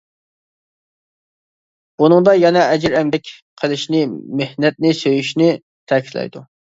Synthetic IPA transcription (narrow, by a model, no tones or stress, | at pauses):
b̥unɨŋd̪ɑjɛnɛɛd͡ʒɪɾɛmd̪ɛkʲqʰəlˠɪʃnɪmehnɛt̪̚nɪsøjyʃnɪ | t̪ʰɛkʲʰi̥t̪lɛ̰jd̪u